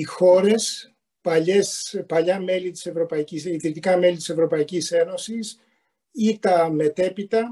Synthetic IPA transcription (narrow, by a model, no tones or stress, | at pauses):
ixo̞ɾe̞s | pɐʎespɐʎɐme̞lit̪i̥se̞vɾo̞pɐicisiðɾit̪ikɐme̞lit̪ise̞vɾo̞pɐicise̞no̞sis | it̪ɐme̞t̪e̞pit̪ɐ